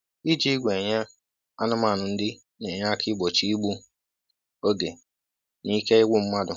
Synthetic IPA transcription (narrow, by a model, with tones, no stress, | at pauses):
i˦d͡ʒi˦ɡʷe˨ɲa˦ | a˦nʊ˦ma˦˨nʊ˨n̩˦dɪ˦ | ɲe˨ɲa˦kʰɪ˦ɡ͡bo˨t͡ʃi˦i˦ɡ͡bu˦ | o˦ɡe˨ | ni˦ke˦ɪ˦ɡʷʊ˦m̩˦ma˦dʊ˨